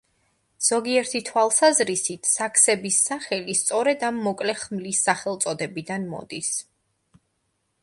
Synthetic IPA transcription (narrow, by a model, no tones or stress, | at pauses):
z̥ɔɡiɛɾt̪ʰit̪ʰwalˠsazɾisit̪ʰsakʰsɛbisːaχɛlist̪sʼɔɾɛd̪amːɔkʼlɛχmlisːaχɛlˠt̪sʼɔd̪ɛbid̪anmɔ̰d̪is